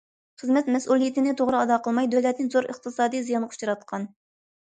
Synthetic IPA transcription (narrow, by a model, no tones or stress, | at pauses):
χɨzmɛt̪mɛsulˠijit̪ɪnɪt̪ʰoʁɾɨɑd̪ɑqʰəlˠmɑjd̪øwlɛt̪̚nɪŋzoɾə̰χt̪ʰɨsɑːd̪ijzijɑnʰu̥t͡ʃʰɑɾɑt̪qʰɑn